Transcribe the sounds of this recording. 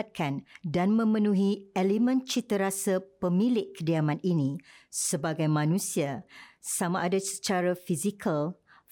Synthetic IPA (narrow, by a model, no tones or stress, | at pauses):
t̪̚kʰandanmə̃mə̃nũɦiɛlimə̃nt͡ʃit̪əɾasapəmilɪʔkːədiamãninĩsəbaɡajmãnũsiasamaʔadasə̥t͡ʃaɾafizikʰəl